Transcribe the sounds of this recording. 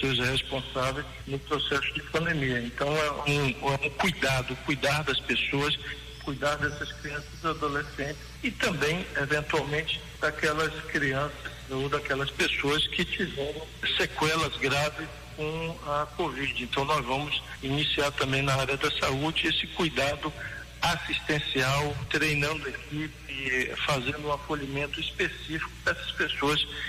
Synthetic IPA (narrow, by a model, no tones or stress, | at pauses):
soɾshespõsavejs | nʊpɾosɛsʊd͡ʒɪpɐ̃nd̪emiɐẽnt̪ɐ̃w̃ɛũɛũkujd̪ad̪ʊkujd̪aɾd̪ɐspesoɐs | kujd̪aɾd̪ɛsɐskɾiɐ̃sɐzad̪olesẽnt͡ʃɪ̥sɪt̪ɐ̃mbẽj̃evẽnt̪uawmẽnt͡ʃɪ̥ | d̪̥akɛlɐskɾiɐ̃sɐsod̪ɐkɛlɐspesoɐskɪt͡ʃivɛɾɐ̃w̃sekwɛlɐzɡɾavɪskõɐkovid͡ʒɪẽnt̪ɐ̃w̃nɔzvɐ̃mʊs | inisiaɾt̪ɐ̃mbẽj̃naaɾjɐd̪ɐsaud͡ʒɪesɪkujd̪ad̪ʊ | asist̪ẽsiawt̪ɾejnɐ̃nd̪ʊekipɪfazẽnd̪ʊũafoʎimẽnt̪ʊispesifi̥kʊ̥pɛsɐ̥spesoɐs